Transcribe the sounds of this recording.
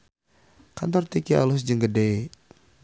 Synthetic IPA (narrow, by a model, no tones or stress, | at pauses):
kant̪ɔrt̪ikia̰lus̬d͡ʒəŋɡəde